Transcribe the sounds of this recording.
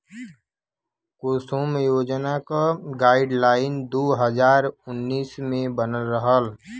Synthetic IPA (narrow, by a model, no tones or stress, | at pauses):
koːsoːmjoːd͡ʒnakaɡaːɪɖlaːɪnd̪oːɦəd͡ʒaːɾʊnːiːsmẽbənəlɾəɦəl